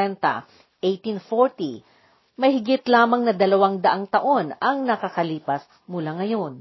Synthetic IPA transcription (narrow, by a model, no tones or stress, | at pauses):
ɛnt̪ɐ̰ | ʔejt̪infoɹt̪i | mɐjhɪɡɪt̪laːmɐŋnɐd̪ɐlɐwaŋd̪ɐʔaŋt̪ɐʔo̞nɐŋnɐkɐkɐliːpɐs | mʊlaŋɐjo̞n